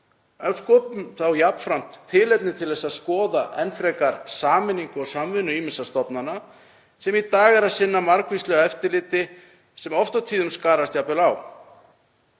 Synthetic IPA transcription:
œskɔːpʏmθawjapnfɾam̥t̪ʰːɪlɛp̪nɪt̪ʰɪlðɛsaðskɔːðaʔɛnfɾɛkaɾsaːmɪnːiŋkʏɔsamvɪnːʏiːmɪnsast̪ɔpnana | sɛmit̪aːɣɛɾaðsɪnːamaɾkvist̪lœːɣaɛft̪ɪɾlɪːt̪ɪ | sɛmɔft̪awt̪ʰiːðʏmskaːɾast̪japɛlaw

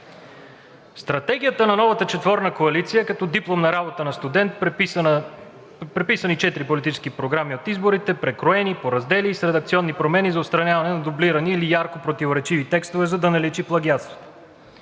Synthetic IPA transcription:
st̪ɾɐt̪ɛɡʲijət̪ənɐnɔvət̪ət͡ʃɛt̪vɔɾnəkoɐlit̪sijəkɐt̪ɔd̪iplˠomnɐɾabot̪ənɐst̪ud̪ɛnt̪ | pɾɛpisənit͡ʃɛt̪iɾipolit̪it͡ʃɛ̥skipɾoɡɾamiot̪izboɾit̪ɛpɾɛkɾoɛnipoɾɐzd̪ɛliːsɾɛd̪ɐk̚t̪siɔnːipɾomɛnizɐot̪st̪ɾɐnʲjavɐnɛnɐd̪ʊbliɾɐniːlijaɾkopɾot̪ivoɾɛt͡ʃivit̪ɛkst̪ovɛzɐd̪ɐnɐlɛt͡ʃiplˠɐɡʲiat̪st̪vo̥t̪ɛ̥

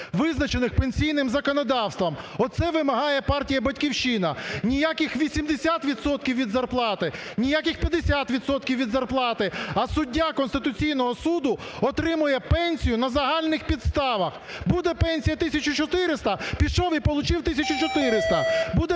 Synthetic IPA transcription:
ʋɪznɐt͡ʃenɪxpenʲsʲijnɪmzɐkɔnɔd̪ɑwst̪ʋɐmɔt̪t̪sɛʋɪmɐɦɑjɛpɑrtʲijɐbɐtʲkʲiwʃinɐnʲijakʲɪxʋʲisʲimd̪esʲat̪ʋʲid̪sɔt̪̚kʲiwʋʲid̪zɐrplˠɑt̪ɪnʲijakʲɪxpʲjɐd̪esʲat̪ʋʲid̪sɔt̪kʲiwʋʲid̪zɐrplˠɑt̪ɪɐsʊdʲːakɔnst̪ɪt̪ʊt͡sʲijnɔɦɔsud̪ʊɔt̪ɾɪmʊjɛpɛnʲsʲijʊnɐzɐɦɑlʲnɪxpʲid̪st̪ɑʋɐx | bud̪ɛpɛnʲsʲijɐt̪ɪsʲɐt͡ʃʊt͡ʃɔt̪ɪɾɪst̪ɐpʲiʃɔʋʲijpɔlˠʊt͡ʃɪwt̪ɪsʲɐt͡ʃʊt͡ʃɔt̪ɪɾɪst̪ɐbud̪ɛ

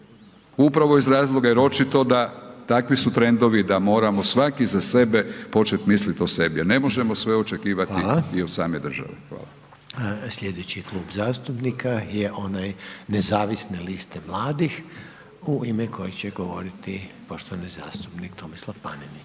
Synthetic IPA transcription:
upɾaʋo̞izɾaːzlˠo̞ɡaeɾo̞t͡ʃit̪o̞d̪at̪akʋisut̪ɾe̞nd̪o̞ʋid̪amo̞ːɾamo̞sʋakizase̞be̞po̞t͡ʃet̪mislit̪ose̞biane̞mo̞ʒemo̞sʋeot͡ʃe̞kiːʋatilaiosaːmejd̪r̩ʒa̰ʋḛxʋa̰ːla | sʎʲed̪et͡ɕiklˠuːbzaːst̪upnikajeʔo̞najnezaːʋisnelist̪emlˠaːd̪ix | uimekʰo̞jet͡ɕeɡoʋo̞̰ɾit̪ipoʃt̪oʋaniza̰ːst̪upnikt̪omislˠafpanini

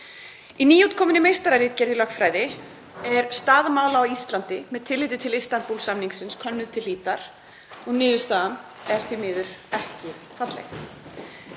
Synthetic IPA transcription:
iniːjuːt̪kʰɔːmɪnɪmejst̪aɾaɾɪːt̪̚cɛɾðɪlœxk̪fɾaːjðɪ | ɛɾ̥st̪aːðmaːwlaaist̪lant̪ɪmɛðt̪ʰɪlːɪːt̪̬ɪt̪ʰɪlist̪anpulsamniŋksɪnskʰœnːʏðt̪ʰɪliːt̪aɾ̥ | ɔɣnɪːðʏst̪aːðam | ɛɾ̥θvimɪːðʏɾ̥ɛhcɪ | fat̪lɛ̰x

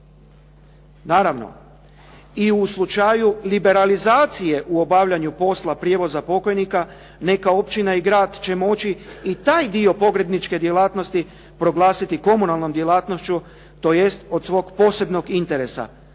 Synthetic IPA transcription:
naːɾaʋno̰ | iuslˠut͡ʃajulibe̞ɾalizaːt̪sije̞ʔuo̞baʋʎaɲupo̞slˠapɾje̞ʋo̞zapo̞ko̞jnika | ne̞kao̞pt͡ɕinaiɡɾaːd̪t͡ɕe̞mo̞t͡ʃiːt̪aːjd̪io̞po̞ɡɾe̞b̪nit͡ʃke̞d̪je̞laːt̪no̞st̪i | pɾo̞ɡlˠaːsit̪iko̞munalˠno̞md̪je̞lˠaːt̪no̞ʃt͡ɕu | t̪o̞je̞st̪o̞d̪sʋo̞ːɡpo̞ːse̞bno̞ɡint̪e̞ɾe̞sa̰

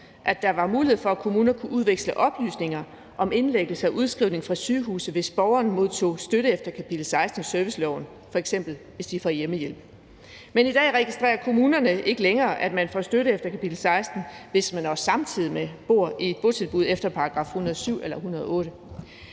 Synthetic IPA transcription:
ʔæd̥ɑ̈ʋɑ̈muːlie̝ð̞̩̰ˠfɒ̽ækʰo̝muːnɐkʰuʔuð̞ˠʋeɡ̥sləʔɒ̽b̥ly̰ːsne̝ŋɐ | ʔɒ̽me̝nleɡ̥l̩səæʔuð̞ˠsɡ̥ʁiʊ̰ne̝ŋfʁɑ̈syːɦṵːsð̩ˠʋe̝sb̥ɒʊɐːnmo̝ð̞ˠt͡sʰo̝̰ːsd̥øɾəefd̥ɐkʰæpʰid̥l̩sɑ̈ɪsd̥n̩sœɐʋislɒʊn̩ | fɒ̽eɡ̥sem̰b̥l̩ʋe̝sd̥ifɒjeməjel̰b̥ | menid̥ɛ̰ːʁɛɡ̥isd̥ʁɛ̰ːɐkʰo̝muːnɐnəe̝ɡ̥əleŋɐːʔæd̥mænfɒ̰sd̥øɾəefd̥ɐkʰæpʰid̥l̩sɑ̈ɪsd̥n̩ʋe̝smænɒsɑ̈mt͡sʰiðˠimeb̥o̝ɐ̰ie̝d̥̚b̥o̝t͡sʰelˠb̥uð̞̰ˠefd̥ɐpʰɑ̈ɑ̈ɡ̥ʁɑ̰̈ːfhunɐðˠsyʊ̰elɐhunɐð̞ˠɔ̽ːɾə

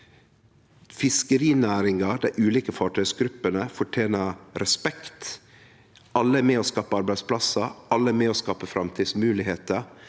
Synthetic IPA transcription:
fɪskəɾiːnæːɾɪŋɑd̪æɪʔʉːliːkəfɑːʈʰœʏsɡɾʉpːənəfɔʈʰeːnəɾɛspɛkt̪ | ʔɑlːəæmɛːoːskɑːpəɑɾbæɪspʰlɑsəʔɑlːəæmɛoːskɑːpəfɾɑmt̪ʰiːd̪smʉːlɪɦeːt̪ə

